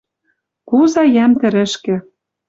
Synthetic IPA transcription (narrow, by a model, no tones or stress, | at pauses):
kuzɑjæmt̪ɘ̆ɾɘ̆ʃkɘ̆